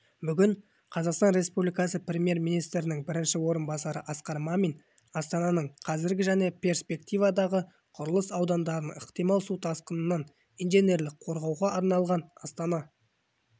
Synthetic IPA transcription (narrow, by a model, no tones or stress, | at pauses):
bʏɡʲɪɴ | qʰɑzɑqst̪ɑnɾe̞spublijkɑsəprʲemje̞ɾmijnijst̪ɾɪnɪŋbɪɾɪnʃɪwo̞ɾənbɑsɑɾəʔɑsqɑɾmɑmin | ɑst̪ɑnɑnəɴqʰɑzɪɾɡʲɪʒæne̞pʰʲe̞ɾspe̞kt̪ijvɑd̪ɑʁə | qʰʊɾəlˠəsɑwd̪ɑnd̪ɑɾənəqt̪ijmɑlˠsut̪ʰɑsqənənːɑn | ijnʒene̞ɾlɪqqʰo̞ɾʁɑwʁɑʔɑɾnɑlˠʁɑnɑst̪ɑnɑ